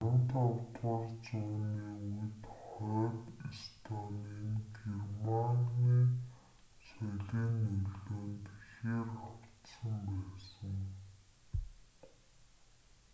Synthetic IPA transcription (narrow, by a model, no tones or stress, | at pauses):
ɾə̆nt̪awt̪ʁərt͡sʊːniːujt̪χɔːt̪ist̪ʰɔniːnɡermanniː | sɔɮiːnːɵɮoːnt̪xeːraw̥t̪sə̆mpæːsə̆ŋ